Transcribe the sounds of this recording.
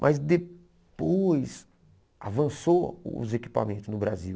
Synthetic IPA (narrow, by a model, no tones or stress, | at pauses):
mʔɐzd̪e | pojs | a̰vɐ̃soʊ̰zeki̥pa̰mẽnt̪ʊznʊbɾazi